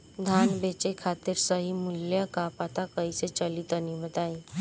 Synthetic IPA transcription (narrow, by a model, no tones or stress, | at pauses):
d̪ʱaːnbeːt͡ʃekʰaːt̪ɪɾsəɦimʊljəkapat̪akəiset͡ʃəlit̪ənibət̪aːi